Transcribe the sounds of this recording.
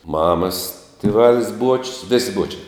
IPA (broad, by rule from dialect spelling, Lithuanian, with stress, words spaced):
ˈmɑːmɐs tʲɪˈʋɑːlʲɪs ˈbuɔt͡ʃʲʊs ˈʋʲɪsʲɪ ˈbuɔt͡ʃʲɛɪ